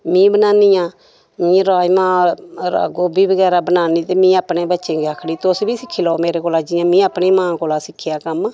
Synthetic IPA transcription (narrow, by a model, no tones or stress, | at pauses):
mĩːbənaːnijãː | ĩːɾaːjmãːɾa̰ɡoːbiːbəɡɛːɾaːbənaːniːt̪eːmĩːaːpneːbətːʃẽːɡeaːkʰɽiːt̪ʊsbʱiːsɪkʰːiːlaoːmeːɾeːkoːlaːd͡ʒiːjãːmĩːapneːmãːkoːlaːsɪkʰːɪjaːkəmː